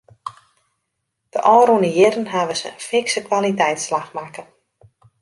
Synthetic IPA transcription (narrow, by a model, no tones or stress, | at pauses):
d̥əʔɔːɾunəjɪɾənɦaʋəsə̰nfɪksəkʋalitɛjtslaxmakən